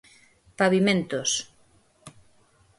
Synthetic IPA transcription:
paβimẽnt̪os

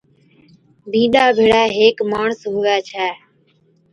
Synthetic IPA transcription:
bʱĩːɗaːbʱeːɽaːɦeːkmaːɳsɦuːaːt͡ʃʰɛː

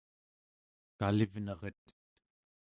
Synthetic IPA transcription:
kalivnʌʁət̪

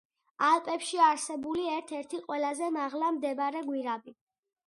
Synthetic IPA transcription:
alˠpʼɛpʃiaɾsɛbuliɛɾt̪ʰɛɾt̪ʰiqʼwɛlazɛmaʁlamd̪ɛbɾɛɡwiɾabi

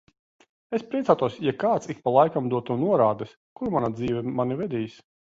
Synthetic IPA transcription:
espɾiɛt̪saːt̪uɔsjakaːt̪sik̚palˠajkamd̪uɔt̪ːunuɔɾaːd̪ɛs | kuɾmanad̪ziːvʲɛmanivʲɛd̪ʲiːs

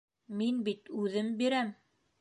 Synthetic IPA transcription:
minbit̪ʉðɘmbiɾæm

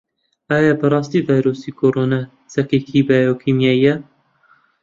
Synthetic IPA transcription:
aːjabɐrˤɑːst̪iːvaːjɾoːsikʰoːɾoːnaː | t͡sɐkeːkʰibajokʰimjaːijɛ

